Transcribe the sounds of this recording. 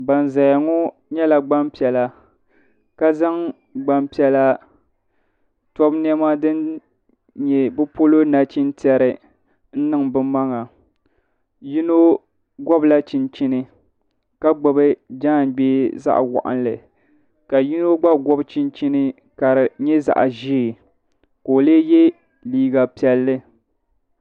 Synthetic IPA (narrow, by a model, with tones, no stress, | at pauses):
ba˨n˨za˨ja˨ŋɔ˦ | ɲɛ˦la˨ɡ͡ba˦mpi˨ɛ˨la˦ | ka˦za˦ŋ | ɡ͡ba˨mpi˦ɛ˦la˦ | tɔ˦bn˦ɛ˦ma˦dɨ˦n | ɲɛ˨bɨ˦po˦lo˦na˨t͡ʃi˦n˦ti˦ɛ˦ɾɨ˨ | n̩˦nɨ˨ŋbɨ˦mːa˦ŋa˨ | ji˦no˦ | ɡɔ˦bla˦t͡ʃi˨nt͡ʃi˦nɨ˦ | ka˦ɡ͡bɨ˨bɨ˦d͡ʒa˦˨ɡ͡beː˦za̰˦ʔwɔ̰˨ʔa̰˦nlɨ̰˨ | ka˨ji˦no˦ɡ͡ba˦ɡɔ˦bt͡ʃi˦nt͡ʃi˦nɨ˦ | ka˨ɾɨ˨ɲɛ˦za̰˨ʔa̰˨ʒi˦˨ | ko˨leː˦jɛ˦ | liː˦ɡa˨pi˨ɛ˦lːɨ˦